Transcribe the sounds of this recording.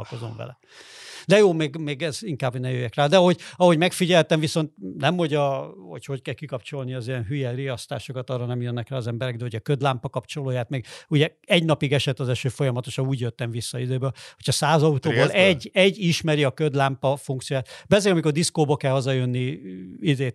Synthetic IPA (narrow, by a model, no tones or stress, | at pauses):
lkozo̰ɱvɛ̰lɛ̰ | d̪ɛjoːmeːɡmeːɡɛziŋkaːbhoɟnɛmjøjːɛkraːd̪ɛɒɦo̞ɟɒɦo̞ɟmɛkfiɟɛlt̪ɛɱviso̞nt̪̚nɛmho̞ɟɒho̰cho̞ckɛlkikɒpt͡ʃo̞lniɒzijɛnɦyjɛriɒst̪a̰ːʃo̞kɒt̪ɒːrːɒnɛmjønːɛkraːɒzɛmbɛɾɛɡ̚d̪ɛho̞ɟɒkød̪laːmpɒkɒpt͡ʃo̞loːjaːt̪meːɡuɟɛɛɟnɒpiɡɛʃɛt̪ːɒzɛʃøːfo̞jɒmɒt̪oʃɒnuːɟjøt̪ːɛɱvisːɒid̪øːbøho̞cʰɒsaːzɒut̪oːbolɛɟːɛɟːiʃmɛɾiɒkød̪laːmpɒfuŋkt̪siojaːt̪bɛzeːlɒmiko̞rd̪iskoːbɒkɛlɦɒzɒjønːiid̪eː